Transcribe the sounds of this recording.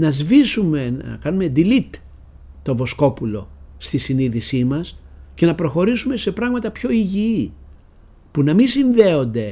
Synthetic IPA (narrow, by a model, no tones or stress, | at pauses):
nɐzvisume̞nkɐnume̞d̪ilit̪ | t̪o̞vo̞sko̞pulo̞̰st̪isiniðisimɐsce̞nɐpɾo̞xo̞ɾisume̞se̞pɾɐɣmɐt̪ɐpço̞iʝii | punɐmisinðe̞o̞nd̪e̞